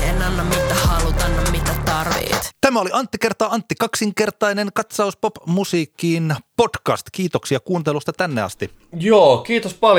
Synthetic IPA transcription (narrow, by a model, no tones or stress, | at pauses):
enɑnːɑmmit̪ːæhɑlut̪ɑnnoimmit̪ːæt̪t̪ɑrʋḛːt̪t̪æmæoliɑnt̪ːikert̪ˑɑːɑnt̪ːikɑksiŋkert̪ɑineŋkɑt̪sɑuspopmusiːkːiːnpotkɑ̰st̪kiːt̪oksiɑkuːnt̪elust̪ɑt̪ænːeɑ̰st̪i | joːkiːt̪ospɑl